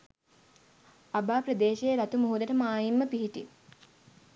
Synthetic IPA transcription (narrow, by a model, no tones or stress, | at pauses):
abaːpɾəd̪eːʃejɾat̪umuɦud̪ɐʈəmaːjimːəpiɦiʈi